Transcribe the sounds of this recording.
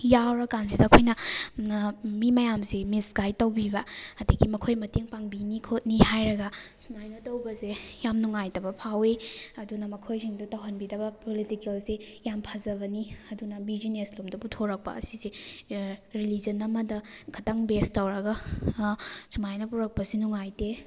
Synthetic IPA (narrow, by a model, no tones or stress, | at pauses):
jawɾɐkansidɐːkʰojnɐ | mimɐjamsemisɡajtɐwbibɐɐdiɡimɐkʰojmɐteŋpaŋbinikʰot̚nihajɾɐɡɐsumajnɐtɐwbɐzejamnuŋajtɐbɐpʰaweɐdunɐmɐkʰojziŋdutɐwɦɐnbidɐbɐpolitikelsejampʰazɐβɐniɐdunɐbizineslomdɐputʰoɾɐk̚pɐ̰ɐ̰size | ɾilid͡ʒɐnɐmɐdɐkʰɐtɐŋbestɐwɾɐɡɐ | sumajnɐpuɾɐk̚pɐsinuŋajte